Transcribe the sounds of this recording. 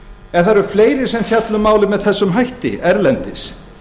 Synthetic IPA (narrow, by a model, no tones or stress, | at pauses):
ɛɾ̥θaɾʏɾ̥fleːjɾɪ̥sɛmθjat̪lʏmaːwlɪmɛðθɛsːʏmɦajht̪ɪ̰ɛɾlɛnt̪ɪs